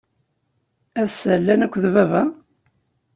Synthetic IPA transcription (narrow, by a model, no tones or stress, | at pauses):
æsælːænækʷːðvævæ